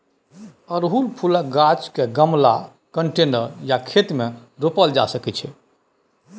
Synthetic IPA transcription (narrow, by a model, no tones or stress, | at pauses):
əɾɦulpʰulək̚ɡat͡ʃkeɡəmla | kəɳʈenəɾjakʰet̪meɾopəld͡ʒa̰səkɛt͡ʃʰɛ